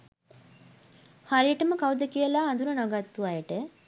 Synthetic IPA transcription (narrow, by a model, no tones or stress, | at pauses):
haɾijəʈəməkawd̪əkijəlaːnd̪unənoɡat̪ːuʋajəʈə